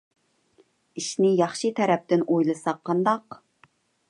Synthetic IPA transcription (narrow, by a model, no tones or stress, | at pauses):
iʃnɪjɑχʃɨt̪ʰɛɾɛp̚t̪ɪnʔojlˠɨsɑqʰːɑnd̪ɑq